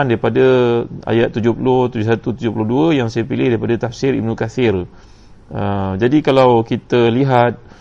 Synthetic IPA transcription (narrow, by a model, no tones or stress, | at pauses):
ndaɾipadəa̰jat̪ːud͡ʒʊhpulʊht̪ud͡ʒʊsat̪ut̪ud͡ʒʊhpulʊhduəjaŋsajəpilɪhdaɾipadat̪afsɪɾḭbnukafɪr | əd͡ʒadikalawkit̪əliɦat̪̚